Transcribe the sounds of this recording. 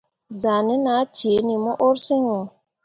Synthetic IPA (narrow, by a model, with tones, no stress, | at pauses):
za˨ni˦na˨˦t͡ʃe˨˦ni˨mɔ˦ʔo˦ɾsi˦ŋo˨